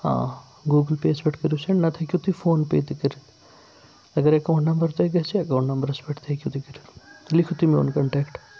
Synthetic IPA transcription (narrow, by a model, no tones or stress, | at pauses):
ã̰ː | ɡuːɡəlpeːsbeʈʰkɐɾjusɐɳnɐt̪ʰɐkʲjut̪ifʰoːnpḛːt̪ikɐɾil | ɐɡɐɾekɐnnɐmbɐɾt̪ɐɡɐsiɐkɐɳnɐmbɐɾɐsbeʈt̪ʰekʲjut̪ikɐɾilikʰut̪imio̰ːnkɐɳʈeːkʈ